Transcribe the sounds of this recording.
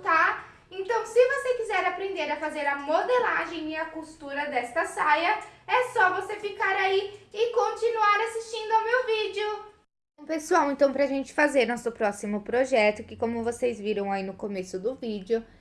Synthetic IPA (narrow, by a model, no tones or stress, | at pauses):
t̪a | ẽnt̪ɐ̃w̃sɪvosekizɛɾapɾẽnd̪eɾɐfazeɾɐmod̪elaʒẽj̃ɪɐkust̪uɾɐd̪ɛst̪ɐsajɐɛsɔvosefikaɾaiɪkõt͡ʃinuaɾasist͡ʃĩnd̪ʊawmewvid͡ʒɪʊ | õpesuawẽnt̪ɐ̃w̃pɾɐʒẽnt͡ʃɪ̥fazeɾnɔsʊpɾɔsimʊpɾoʒɛt̪ʊkɪkõmʊvosejzviɾɐ̃w̃ainʊkomesʊd̪ʊvid͡ʒɪʊ